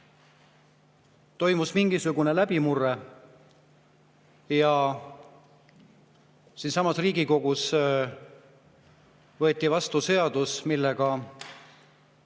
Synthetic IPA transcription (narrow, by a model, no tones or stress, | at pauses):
t̪o̞jmusmiŋɡisuɡune̞læb̥imure | jɑ | sinsɑmɑsriːɡ̥iko̞ɡ̥us | vɤ̞et̪ˑːivɑst̪use̞ɑd̪̥usmilːeɡ̥ɑ